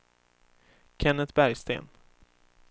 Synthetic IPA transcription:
kʰɛnət̪bæɾjst̪ḛːn

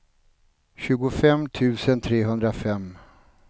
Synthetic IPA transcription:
ɕʉ̟ːɡʊfɛmt̪ʰʉ̟ːsənt̪ʰɾeːɦɵnd̪ɾafɛmː

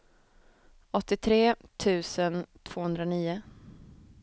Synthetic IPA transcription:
ɔt̪ːɪt̪ʰɾeːt̪ʰʉ̟ːsənt̪ʰv̥oːhɵnd̪ɾaniːʊ

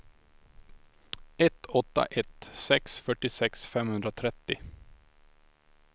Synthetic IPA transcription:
ɛt̪ːɔt̪ːa̰ʔɛt̪sɛksfœʈːɪsɛksfɛmhɵnd̪ɾat̪ʰɾɛt̪ːɪ

